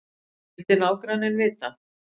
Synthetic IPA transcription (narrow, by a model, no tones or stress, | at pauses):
ɛlt̪ɪnaːwkɾanɪnvɪːt̪a